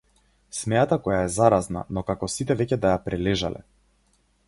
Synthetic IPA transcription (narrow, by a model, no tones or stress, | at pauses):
smɛjat̪akɔjaɛzaɾazna̰nɔkakɔsit̪ɛvɛcɛd̪ajapɾɛlɛʒalɛ̰